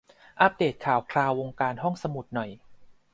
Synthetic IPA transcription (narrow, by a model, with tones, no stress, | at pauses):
ʔa˦˥p̚deː˨˩t̪̚kʰaː˩˦wkʰlaː˧wːo˧ŋkaː˧nɦɔ˥˩ŋsa˧mu˨˩t̪̚nɔ˨˩j